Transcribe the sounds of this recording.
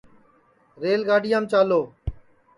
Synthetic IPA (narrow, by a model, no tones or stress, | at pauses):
ɾeːlɡaːɖɪjãːmt͡ʃaːloː